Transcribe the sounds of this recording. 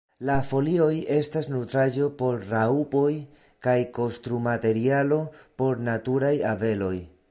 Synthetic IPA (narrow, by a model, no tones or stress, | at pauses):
lafo̞lio̞je̞stasnutɾad͡ʒo̞po̞ɾraupo̞j | kajko̞stɾumate̞ɾialo̞po̞ɾnatuɾajave̞lo̞j